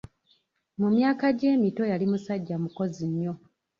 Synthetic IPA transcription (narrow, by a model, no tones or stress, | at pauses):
mumjaːkaɟe̞ːmito̞jalimusaɟːamuko̞ziɲːo̞